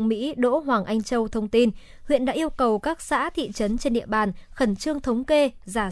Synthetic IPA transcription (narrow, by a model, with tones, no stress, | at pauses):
ŋ͡mmḭ˧˥ɗo̰˧˥ɦwaː˨˩ŋʔa˧jŋ̟t͡ɕə˧wt̪ʰə˧wŋ͡mt̪i˧n | hwḭ˧˨ənɗa̰ː˧˥ʔi˧əwkə˨˩wkaː˦˥k̚sa̰ː˧˥t̪ʰḭ˧˨t͡ɕə˨˦nt͡ɕe˧nɗḭ˧˨əɓaː˨˩nxə˧˩nt͡ɕɨ˧əŋt̪ʰə˨˦wŋ͡mke˧zaː˧˩